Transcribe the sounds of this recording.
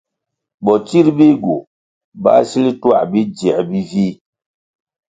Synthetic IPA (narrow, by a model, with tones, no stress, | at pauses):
bɔ˨t͡ʃi˦ɾbi˦ɡo˨ | ba̰˦si˦li˦twa̰˦˨bi˦d͡ʒi˨ɛ˨bi˦vi˦